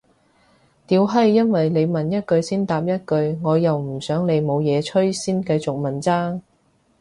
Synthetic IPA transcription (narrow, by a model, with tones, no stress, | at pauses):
t̪iː˨˧wɦɐ˥jːɐ˥nwɐ˨jle˨˧jmɐ˨njɐ˥t̚kɵ˧ɥsiː˥nt̪aː˨p̚jɐ˥t̚kɵ˧ɥŋɔː˨˧jɐ˨wm̩˨˩sœː˨˥ŋle˨˧jmo˨˧wjɛː˨˧t͡ʃʰɵ˥ɥsiː˥nkɐ˧jt͡sʊ˨k̚mɐ˨˩nt͡saː˥ŋ